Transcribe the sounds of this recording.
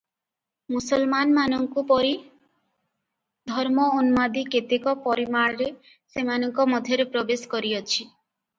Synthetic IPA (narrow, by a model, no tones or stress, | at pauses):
musɔlmanmanɔŋkupɔɾi | d̪ʱɔɾmɔonmad̪iket̪ekɔpɔɾimaɽɾe | semanɔŋkɔmɔd̪ʱjɔɾepɾɔbeskɔɾiɔt͡ʃʰi